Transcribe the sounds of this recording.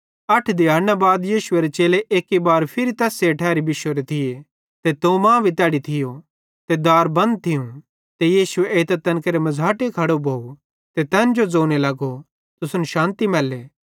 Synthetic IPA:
ɐʈʰd̪ɪjaːnːabaːd̪jiːʃʊeɾet͡ʃeːleʔeːkibaːɾpʰɪɾit̪ɛːseʈʰɛːɾibɪʃwəɾet̪ʰɪje | t̪et̪õːmãːbʱit̪ɛːɽit̪ʰɪjo | t̪ed̪aːɾbɐ̃nd̪̚t̪ʰɪjũ | t̪ejiːsʊeeːt̪ɐt̪ːɐnkeɾemɐzʱaːʈekʰɐɽobʱoːu | t̪et̪ɛːnd͡ʒod͡zoːnelɐɡo | t̪ʊsʊnʃãːnt̪imɛːlːeː

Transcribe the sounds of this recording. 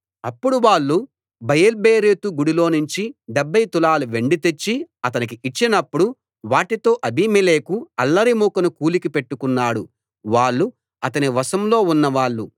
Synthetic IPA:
ɐpːuɽuʋaːɭːu | bɐjɐlbeːɾeːt̪uɡuɽiloːnuɲt͡ʃiɖɛbːɐjt̪ulaːluʋe̞ɳɖit̪et͡ʃːiɐt̪ɐnik̬iʔit͡ʃːinɐpːuɽu | ʋaːʈit̪o̞ːʔɐbʱimileːkuɐlːɐɾimuːkɐnukuːlikipe̞ʈːukunːaːɽu | ʋaːɭːu | ɐt̪ɐniʋɐsɐmloːunːɐʋaːɭːu

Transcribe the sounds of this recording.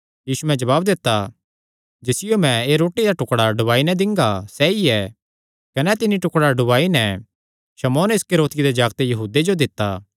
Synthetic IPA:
jiːsumɛ̃d͡ʒɐβaːbd̪ɪt̪ːa | d͡ʒɪsɪjomɛ̃eɾoːʈid̪aʈʊkɽaɖʊbaːinɛ̃d̪ɪ̃ŋɡasɛiɛ | kɐnɛt̪ɪniʈʊkɽaɖʊʋaːinɛ | ʃɐmɔːnɪskeɾoːt̪ɪid̪ed͡ʒaːɡt̪ejɐɦuːd̪ed͡ʒod̪ɪt̪ːaː

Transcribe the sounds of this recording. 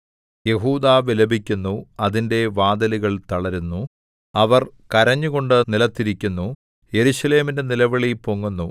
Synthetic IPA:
je̞ɦuːd̪aːʋilɐbʱikʲːunːuɐðinde̞ʋaːd̪ɐliɣɐɭt̪ɐɭɐɾunːu | ɐʋɐrkɐɾɐɲːuɣo̞ɳɖɨnilɐt̪ːiɾikʲːunːu | je̞ɾuʂɐle̞ːminde̞nilɐʋɐɭipoŋːunːu

